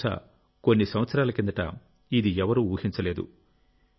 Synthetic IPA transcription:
a̰ | konːisɐmʋɐt̪sɐɾaːlɐkend̪ɐʈɐ̰ | id̪iɛʋɐɾuuːhiɲt͡ʃɐle̞ːd̪ṵ

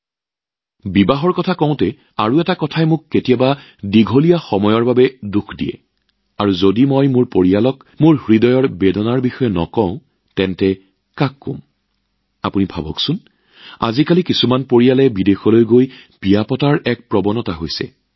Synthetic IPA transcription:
bibaɦɔɹkɔtʰakɔ̃ʊ̃tɛ | a̰ɹuɛtakɔtʰajmʊkːetijaba | diɡʱolijaxɔmɔjɔɹbabɛdukʰdijɛ̰ | aɹuzodimojmʊɹpoɹijalɔk | mʊɹhɹidɔjɔɹbedɔnaɹbixɔjɛnɔ̰kɔ̃ʊ̃ | tɛntɛ | kakːõ̰m | a̰punibʱabɔksʊn | a̰zikalikisumanpoɹijalɛbidexɔlojɡojb̥ijapɔtaɹɛk̚pɹɔbɔnɔtaɦojsɛ̰

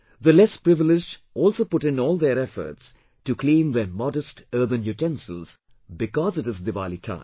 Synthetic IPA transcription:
ðəlɛspɾɪvɪlɪd͡ʒ | ɔːlˠsoːpʊʈɪ̃nɔːlˠðəɾɛfə̰ɾts | ʈukʰlĩːmðəmɔdəstəːðə̃njuʈɛ̃nsəlz̥ | bɪkɔzɨʈɨzd̪ɨʋalitʰã̰ɪ̃m

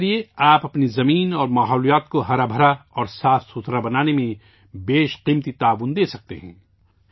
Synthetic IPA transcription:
ɾieaːpɐpnizɐmiːnɔːɾmaːɦɔːlijaːt̪koɦɐɾabʱɐɾaɔːɾsaːfsʊt̪ɾabɐnaːnemẽ | beːʃqiːmt̪it̪aːʋʊnd̪eːsɐk̚t̪eɦɛ̰̃ː

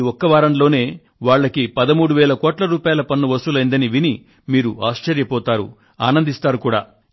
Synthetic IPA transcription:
ɔkːɐʋaːɾɐnlo̞ːne̞ː | ʋaːɭːɐkipɐd̪ɐmuːɽuʋɛːlɐkɔːʈlɐɾuːpaːjɐlɐpɐnːuʋɐsulɐjnd̪ɐniʋini | miːɾuaːʃt͡ʃɐɾjɐpɔːt̪aːɾṵ | aːnɐnd̪ist̪aːɾukuːɽa̰ː

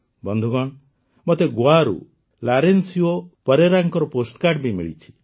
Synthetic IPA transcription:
bɔnd̪ʱuɡɔɳ̃ | mɔt̪eɡwaɾṵ | laɾensiopəɾeɾaŋkɔɾɔposʈkaɖbʱimḭɭḭt͡ʃʰi̥

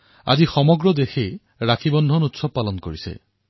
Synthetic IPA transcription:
a̰zixɔmɔɡɹɔdexej | ɹakʰibɔndʱɔnutsɔb̚palɔnkoɹisɛ̰

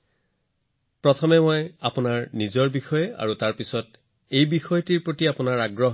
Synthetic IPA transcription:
pɹɔtʰɔmɛmojapʊnaɹnizɔɹbixɔjɛa̰ɹutaɹpisɔt | ejbixɔjtiɹpɹotiapʊnaɹaɡɹɔɦ

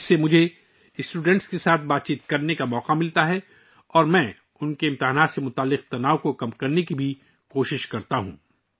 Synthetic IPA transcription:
semʊd͡ʒʱe | ɪsʈuːɖɛ̃ɳʈskesaːt̪̚ʰbaːt̪̚t͡ʃiːt̪kɐɾnekamɔːqamɪlt̪aɦɛ | ɔːɾmɛ̃ː | ʊnkeɪ̃mt̪ɪɦaːnaːt̪semʊt̪aːlːɪq̚t̪ɐnaːokokɐmkɐɾnekibʱi | koːʃɪʃkɐɾt̪aɦṵ̃ː

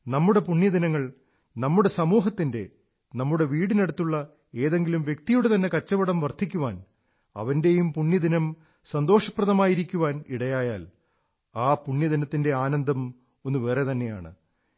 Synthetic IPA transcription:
nɐmːuɽe̞puɳːjɐd̪inɐŋːɐɭ | nɐmːuɽe̞sɐmuːɦɐt̪ːinde̞ | nɐmːuɽe̞ʋiːɽineɽut̪ːuɭːɐ | e̞ːðe̞ŋɡilumʋje̞k̚t̪ijuɽet̪ɐnːe̞kɐt͡ɕːɐʋɐɽɐmʋɐrt̪ʰːik̬ʲːuʋaːn | ɐ̰ʋɐnde̞jumpuɳːjɐd̪inɐm | sɐnd̪o̞ːʂɐprɐðɐmaːjiɾikʲːuʋaːniɽɐjaːjaːl | aːpuɳjɐðinɐt̪ːinde̞aːnɐnd̪ʱɐm | o̞nːuʋere̞t̪ɐnːe̞ja̰ːɳɨ̰

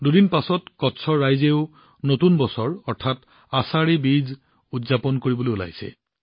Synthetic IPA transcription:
dudinpasɔtkɔtsʰɔɹːajzeʊ | notunbɔsɔɹɔɹtʰat | asaɹibiz | udzapɔnkoɹibolojula̰jsɛ̰

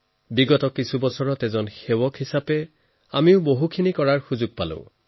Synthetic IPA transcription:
biɡɔtɔkːisubɔsɔɹɔtɛzɔnxewɔkʰhisapɛ | amiʊboɦukʰinikɔɹaɹxuzʊɡ̚palʊ̰̃

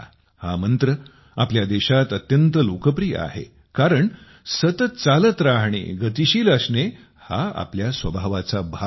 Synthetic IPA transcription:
ha̰mənt̪ɾə | apljad̪eɕat̪ət̪jənt̪əlokəpɾijə̰a̰ɦḛ | kaɾəɳ | sət̪ət̪̚t͡salət̪ɾaɦɳḛɡət̪iɕiːləsɳe | ha̰a̰pljasʋəbʱaʋat͡sabʱa

